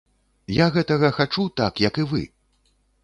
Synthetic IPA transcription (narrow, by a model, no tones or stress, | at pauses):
jaɣɛt̪ɐɣɐxat͡ʂut̪akjɐkɨvɨ̰